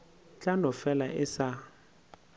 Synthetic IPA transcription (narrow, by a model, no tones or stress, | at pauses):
t͡ɬʼanɔfɛlaʔɪsa